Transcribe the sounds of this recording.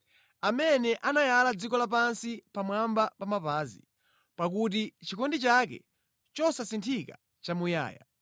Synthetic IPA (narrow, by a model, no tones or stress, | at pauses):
amɛnɛʔanajalad͡zikɔlap̬ansipamwambapamapaːzḭ | pak̬ut̬it͡ʃikɔndit͡ʃakɛ̰ | t͡ʃɔsasintʰika̰ | t͡ʃamuja̰ːja̰